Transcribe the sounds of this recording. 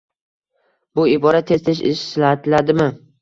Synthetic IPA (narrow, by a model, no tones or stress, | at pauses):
bʊɪbɒɾat̪ʰːe̞st̪ʰɪʃ̬ɪ̰ʃsɪlaat̪ʰɪlad̪ɪmɪ